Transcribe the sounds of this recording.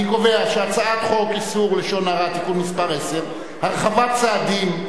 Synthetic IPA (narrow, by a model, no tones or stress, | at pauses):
iko̞ve̞aʃeat͡saad̪χo̞kisuʁleʃo̞naʁat̪ikunmispaʁe̞se̞ʁ | haʁeχavat̚t͡saːd̪im